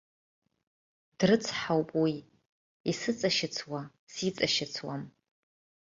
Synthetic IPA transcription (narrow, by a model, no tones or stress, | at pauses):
d̥rɨt͡sʰħawpʼwi | isɨt͡sʼaʃɪt͡sʰwa | sit͡sʼaʃɪt͡sʰwa̰m